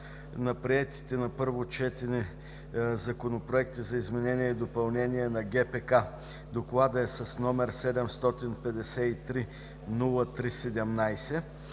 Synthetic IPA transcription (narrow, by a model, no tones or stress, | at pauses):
nɐpɾiɛt̪i̥t̪ɛnɐpɤɾvot͡ʃɛt̪ɛnɛ | zɐkonopɾoɛkt̪izɐizmɛnɛniɛid̪opɐlˠnɛniɛnɐɡɛpɛka | d̪oklˠad̪əɛsɐsnɔmɛɾsɛd̪ɛmst̪ɔt̪inpɛd̪ɛsɛit̪ɾi | nulˠət̪ɾisɛd̪ɛmnajsɛ